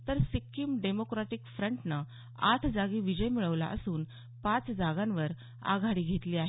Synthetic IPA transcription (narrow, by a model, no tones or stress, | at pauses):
t̪əɾsikːiːmɖemokɾaʈikfɾəɳʈna | at̪ʰd͡zaɡiːʋid͡ʑəjmiɭəʋla̰ʔə̰suːn | pãt͡sd͡zaɡãnʋəɾ | a̰ɡʱaɽiːɡʱet̪liːaɦe